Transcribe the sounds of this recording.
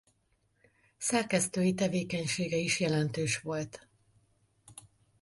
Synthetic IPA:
sɛrkɛst̪øːjit̪ɛveːkɛɲʃeːɡɛiʃjɛlɛnt̪øːʃʋo̞lt̪

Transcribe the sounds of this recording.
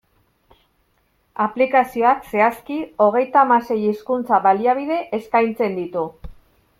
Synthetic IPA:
aplikasio̞akse̞askio̞ɣ̞e̞jt̪aːmase̞jiskunt͡saβaliaβ̞ið̞e̞ʔeskajnt͡se̞nd̪it̪u

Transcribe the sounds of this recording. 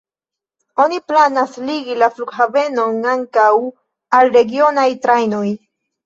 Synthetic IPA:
o̞niplanasliɡilafluɡhave̞no̞naŋkaw | alɾe̞ɡio̞najtɾajnoj

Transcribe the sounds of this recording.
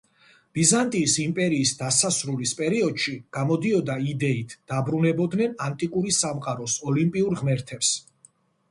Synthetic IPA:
b̥izant̪ʼiːsimpʼɛɾiːsd̪asasɾulispʼɛɾiɔd̪̥ʃiɡ̥amɔd̪iɔd̪aid̪ɛit̪ʰd̪̥abɾunɛbɔd̪nɛnant̪ʼikʼuɾisamqʼaɾɔsɔlimpʼiuɾʁmɛɾt̪ʰɛps

